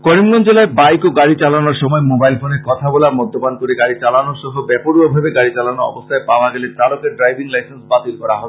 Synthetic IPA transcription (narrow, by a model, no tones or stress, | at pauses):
kɔɾimɡɔnd͡ʑelaebajkoɡaɽit͡ɕalanoɾʃɔmɔemobajlfoneɾkɔt̪ʰabolaɾmɔd̪ːobankoɾeɡaɾit͡ɕalanoɾʃɔɦobɛpoɾuobʱabeɡaɽit͡ɕalanoɔ̰bost̪ʰaepaoaɡɛleɾt̪alokeɾɖɾajbʱiŋlajsensbat̪ilkɔɾaɦɔ